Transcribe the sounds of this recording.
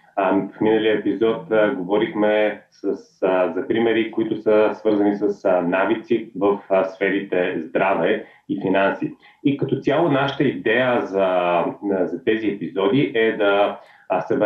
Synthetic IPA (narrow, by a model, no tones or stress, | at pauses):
fminəliəɛpizɔt̪ɡovɔɾixmɛsəszɐpɾimɛɾikʊit̪ʊsəsvɤɾzɐnisəsnavit̪sivəfsfɛɾit̪ɛzd̪ɾavɛ | ifinansi | ikɐt̪ɔt̪sʲjalˠonaʃə̥t̪əid̪ɛjəzɐ | zɐt̪ɛziɛpizɔd̪iʔɛd̪ɐ | sɛb